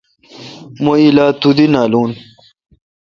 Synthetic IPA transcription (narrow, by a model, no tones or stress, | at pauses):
moilaːt̪ud̪inaːluːn